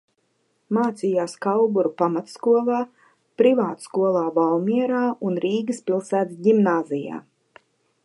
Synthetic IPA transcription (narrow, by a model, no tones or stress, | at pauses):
maːt̪sijaːskawbuɾupamat̪skuɔlˠaː | pɾivaːt̪skuɔlˠaːvalmʲiɛɾaːunɾiːɡɨspʲilˠsæːt̪ɟimnaːzija̰ː